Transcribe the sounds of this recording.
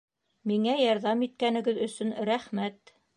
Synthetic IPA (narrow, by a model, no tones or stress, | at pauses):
miŋæjɑɾðɑmit̪̚kænɘ̆ɡɘðɵ̆sɵnɾæχmæt̪